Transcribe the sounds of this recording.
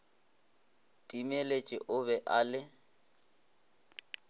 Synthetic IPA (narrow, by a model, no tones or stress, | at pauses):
tʼimelet͡ʃʼɪ̰ʔʊβɛʔalɪ